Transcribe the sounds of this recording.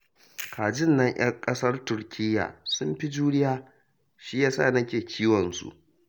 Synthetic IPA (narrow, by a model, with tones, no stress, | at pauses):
kʰaː˨d͡ʒɪ˦˨nːɐ˦ɲj̰ɐ˦ŋkʼɐ˦sɐ˦rtʊ˦rkʲʰɪ˦jːa̰ː˨sʊ˦mɸi˦d͡ʒuː˦nɪ˦jaː˦ | ʃi˦jaː˦sa̰ː˦˨nɐ˦kʲeː˨kʲʰiː˦wɔ˨nsṵ˨ʔ